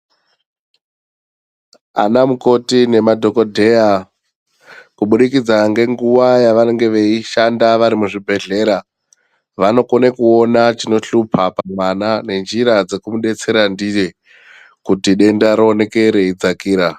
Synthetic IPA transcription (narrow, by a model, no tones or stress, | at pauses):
a̰namuko̞tine̞madʱo̞ko̞dʱe̞a | kuɓuɗikid͡zaŋɡe̞ŋɡuʋajaʋanoŋɡe̞ʋeiʃandaʋaɾimuʐibʱe̞ɮe̞ɾa | ʋano̞ko̞nekuo̞nat͡ʃino̞ɬupʰapamwanane̞nd͡ʒiɾad͡ze̞kumuɗe̞t͡se̞ɾandije | kutiɗe̞ndaɾone̞ke̞ɾeid͡zakiːɾa